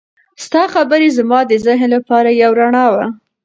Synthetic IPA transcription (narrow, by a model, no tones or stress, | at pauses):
st̪ɑxabəɾezamɑd̪əzɪɦnlapɑɾajawɾaɳɑwa